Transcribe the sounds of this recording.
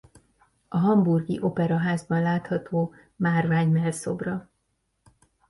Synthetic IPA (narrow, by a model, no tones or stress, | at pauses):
ɒɦɒmburɡiʔo̞pɛɾɒɦaːzbɒnlaːt̪hɒt̪ʰoː | maːrvaːɲmɛlso̞̰brɒ